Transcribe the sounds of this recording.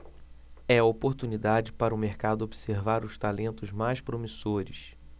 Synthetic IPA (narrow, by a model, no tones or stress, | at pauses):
ɛɐopoɾt̪unid̪ad͡ʒɪpaɾɐʊmeɾkad̪ʊobiseɾvaɾʊʃt̪alẽnt̪ʊzmajspɾomisoɾɪs